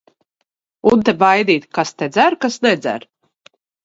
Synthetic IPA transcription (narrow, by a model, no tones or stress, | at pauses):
unt̪ebajd̪iːt̪ʲkast̪ed̪zæɾkasnɛd̪zæ̰ɾ